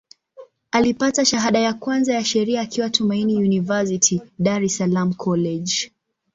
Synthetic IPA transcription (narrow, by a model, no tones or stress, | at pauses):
alipataʃaɦaɗajakwanzajaʃɛɾiaːkiwatʰumainijunivasitʰiɗaɾɛsalam̩kʰɔlɛʄ